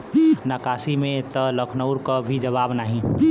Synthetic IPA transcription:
naːkaːsimẽt̪ələkʰnəʊɾkabʱid͡ʒəβaːbnaːɦĩ

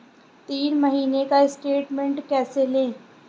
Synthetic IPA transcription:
t̪iːnməɦiːnekaɪsʈeːʈmẽɳʈkɛːselẽː

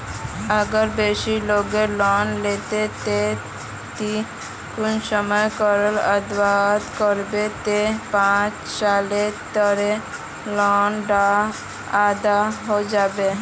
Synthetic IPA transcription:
aɡɔɾbeʃiloɡelɔnlet̪et̪e | t̪i | kunsɔmɔekɔɾeləd̪waɦt̪kɔɾbet̪epãt͡ʃ | salet̪ɔɾe | lɔnɖa | ad̪aɦod͡ʒabe

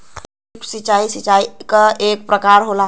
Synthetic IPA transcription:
ksit͡ʃːaisit͡ʃaikəʔek̚pɾəkaɾɦola

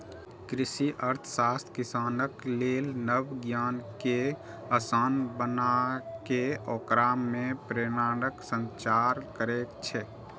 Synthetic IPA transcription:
kɾɪsiʔəɾt̪ʰsaːst̪ʰkɪsaːnəkleːlnəbɡjaːnke | əsaːnbənakeɔːkɾaːmːẽpɾeːnaːnəksə̃nt͡ʃaːɾkəɾeːkt͡ʃʰɛː

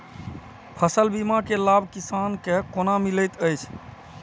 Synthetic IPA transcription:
pʰəsəlbimakelabʱkisankekonamiləjt̪əjt͡ʃʰ

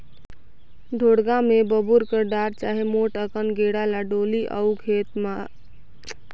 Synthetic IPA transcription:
ɖʱoɽɡamebəbuɾkəɾɖaɾt͡ʃaɦemoʈəkənɡeɽalaɖoliʔə̰wkʰet̪ma

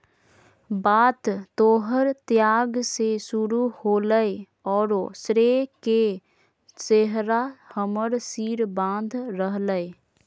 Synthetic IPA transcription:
baːt̪t̪oːɦəɾt̪jaːɡsesuɾuhoːləe | ɔːɾosɾeke | seɦɾahəməɾsiːɾbãːnd̪ʱɾəɦləe

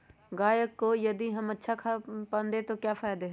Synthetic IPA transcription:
ɡaːjəkːojɐd̪iɦɐmɐtːʃʰakʰapɐ̃nd̪ẽt̪okjaːfaːjd̪eɦɛ

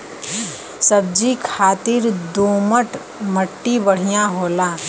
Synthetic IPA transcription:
sɐb̚d͡ʒikʰaːt̪ɪɾd̪oːməʈ | məʈːibəɽ̤ijãɦoːlaː

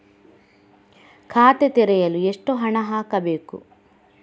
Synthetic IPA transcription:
kʰaːt̪et̪ɛɾɛjɐlueʂʈoɦɐɳɐɦaːkɐbeːkṵ

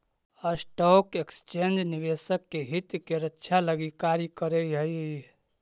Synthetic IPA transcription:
əsʈɔkekst͡ʃend͡ʒniʋesəkːeɦit̪keɾətːʃʰaləɡikaɾikəɾəiɦəj

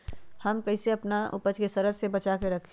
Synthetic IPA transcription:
həmkɐɪseɐpnaʔʊ̰pəd͡ʒkesəɾəd͡ʒsebɐt͡ʃakeɾɐkʰ

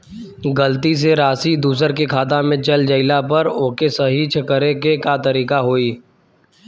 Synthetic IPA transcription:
ɡəlt̪is̬eɾaːsid̪uːs̬əɾkekʰaːt̪amẽt͡ʃɐld͡ʒɐɪlapɐɾokesɐɦit͡ʃʰɐkəɾekekat̪ɐɾiːkaɦoːiː

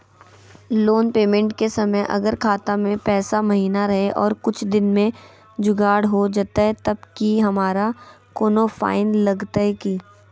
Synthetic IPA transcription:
loːnpeːmẽɳʈkesɐməjʔɐ̰ɡəɾkʰaːt̪amẽpɛːsamɐɦiːnaɾɐɦeʔɔːɾkʊt͡ʃʰd̪ɪnmẽ | d͡ʒʊɡaːɽɦod͡ʒat̪aɦɛt̪ɐb̚kiɦɐmaːɾa | koːnofa̰ːɪnlɐɡt̪aɦɛkiː

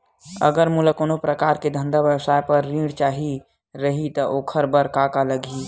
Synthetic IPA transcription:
ə̰ɡəɾmuləkoːnopɾəkaːɾked̪ʱə̃nd̪abəwsaːjpəɾːĩːɽt͡ʃaːɦi | ɾəɦit̪əʔoːkʰəɾbəɾkakaləɡʱi

